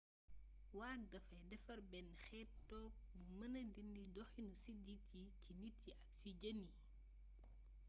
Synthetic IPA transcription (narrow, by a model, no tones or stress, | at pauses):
waːndɐfɐjdɛfɐɾbɛnxɛtːɔːk̚bumɐnɐndindidɔxinusiditicinitːiʔɐk̚siɟɐnːi